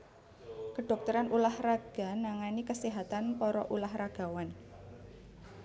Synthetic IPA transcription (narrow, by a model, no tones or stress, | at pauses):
kəɖ̥ɔ̤k̚t̪uɾanulahraɡ̥a̤naŋanikəsiɦat̪anpɔɾɔʔulahraɡ̥a̤wan